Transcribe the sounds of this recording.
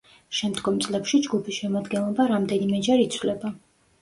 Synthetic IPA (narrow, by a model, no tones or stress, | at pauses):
ʃɛmd̪ɡɔmt̪sʼlɛpʃid͡ʒɡupʰisʃɛmad̪ɡɛnlˠɔbaɾamd̪ɛnimɛd͡ʒɛɾit̪sʰwlɛba